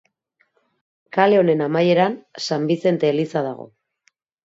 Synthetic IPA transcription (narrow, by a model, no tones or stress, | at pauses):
kale̞o̞ne̞namaje̞ɾansambise̞nt̪e̞ːlisað̞aɣ̞o̞̰